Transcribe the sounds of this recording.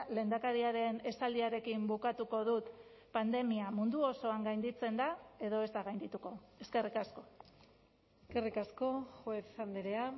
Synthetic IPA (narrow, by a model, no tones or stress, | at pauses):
le̞ːnd̪akaɾiaɾe̞ne̞sald̪iaɾe̞kimbukat̪uko̞ðut̪ | pand̪e̞miamund̪uo̞so̞aŋɡajnd̪it͡se̞nd̪ae̞ðo̞e̞zt̪aɣajnd̪it̪uko̞e̞ske̞rikasko̞ | eskerikasko̞xweθand̪eɾea